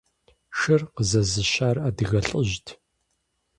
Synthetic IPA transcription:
ʃɨrqəzɐzɨɕaːraːdɨɣɐɬʼəʒtʰ

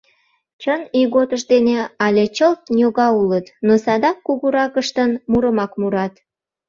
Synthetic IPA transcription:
t͡ɕəniɣot̪əʃd̪eneɑlʲet͡ɕəlt̪njoɣɑulət̪nosɑd̪ɑkːuɣuɾɑkəʃt̪ənmuɾəmɑkmuɾɑt̪

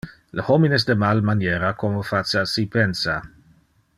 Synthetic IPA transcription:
ləhominɛs̬d̪əmalmanjeɾakomofat͡ʃasipɛnsa

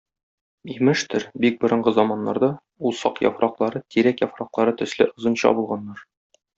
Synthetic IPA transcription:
imɘʃt̪ɵɾbik̚bŏɾɤ̆ɴɢɤzɒmɑnːɑɾd̪ɑ | ulˠsɑqjɒ̰fɾɑqlˠɑɾɤt̪iɾækjɒfɾɑqlˠɑɾɤt̪ɵ̆slɘʔŏzɤ̆nɕɑ̰bulˠʁɑnːɑɾ

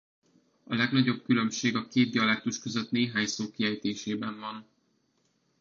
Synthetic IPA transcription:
ɒlɛɡn̪ɒɟo̞b̚kylø̞mʃeːɡɒkeːt̪̚ɟɒlɛk̚t̪uʃkøzøt̪neːɦaːɲsoːkiɛjt̪eːʃeːbɛɱvɒn

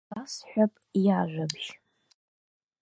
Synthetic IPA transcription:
asħʷᶣapʼijaʒᶣʷabʒ

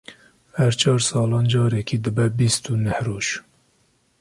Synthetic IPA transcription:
hæɾt͡ʃʰɑːɾsɑːlɑːnd͡ʒɑːɾɛkʰiːd̪ɨbɛbist̪unɛhroːʒ

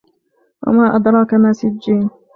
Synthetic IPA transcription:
wa̰maːʔad̪ɾˤɑːkamaːsɪd͡ʒːiːn

